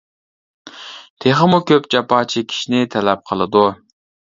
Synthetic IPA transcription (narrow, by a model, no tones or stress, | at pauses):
t̪ʰeχəmukʲøpd͡ʒɑpɑːt͡ʃʰikʲʰi̥ʃinɪt̪ʰɛlɛp̚qʰəlˠɨd̪u